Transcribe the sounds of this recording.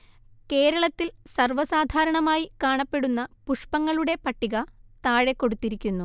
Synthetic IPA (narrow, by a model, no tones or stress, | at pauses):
ke̞ːɾɐɭɐt̪ːilsɐrʋɐsaːd̪ʱaːɾɐɳɐmaːjikaːɳɐpːe̞ɽunːɐpuʂpɐŋːɐɭuɽe̞pɐʈːiɣɐt̪aːɻe̞kːo̞ɽut̪ːiɾikʲːunːu